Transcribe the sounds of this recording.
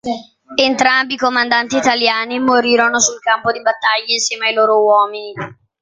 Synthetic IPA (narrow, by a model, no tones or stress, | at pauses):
ent̪ɾambiːkomand̪ant̪iːt̪aljaːnimoɾiːɾonosulkampod̪ibat̪ːaʎːainsjɛːmeajloːɾowɔːmini